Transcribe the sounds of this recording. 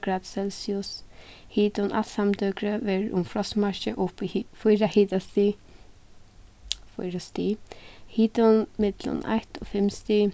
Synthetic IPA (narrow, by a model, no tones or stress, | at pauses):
kɾat̪sɛlsiʊshiːt̪ʊnʔa̰samt̪ʏkɾəʋɛɹʊ̰mfɾɔsmaɹʃɪʔʊpifujɾahiːt̪ast̪i | fɔjɾast̪iːhiːt̪ʊnmɪt̪lʊ̰na̰jht̪ɔ̰fɪmst̪i